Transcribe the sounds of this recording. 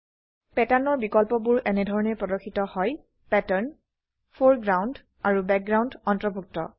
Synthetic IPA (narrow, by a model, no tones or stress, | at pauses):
pɛtaɹnɔɹbikɔlpɔbuɹʔɛnɛdʱɔɹɔnɛpɹɔdɔkxʰːitɔhɔj | pɛtaɹn | pʰoɹɡɹawnd | aɹubɛk̚ɡɹawndɔntɹɔbʱuk̚tɔ̰